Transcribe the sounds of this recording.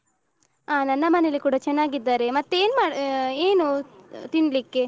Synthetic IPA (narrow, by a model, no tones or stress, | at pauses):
aːnɐnːɐmɐnelikuːɽɐt͡ʃɛnːaːɡid̪ːaːɾemɐt̪ːue̞ːnmaːɽeːnut̪iɳɖlikːe̞